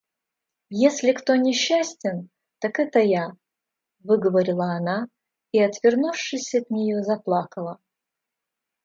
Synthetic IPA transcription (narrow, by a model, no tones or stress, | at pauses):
jesʲlʲɪkt̪o̞nʲɪɕːæsʲtʲɪn | t̪akɛt̪əja | vɨɡəvəɾʲɪlˠəːna | iɐt̪vʲɪrnufʂɨsʲɐt̪nʲɪjozɐplˠakəlˠə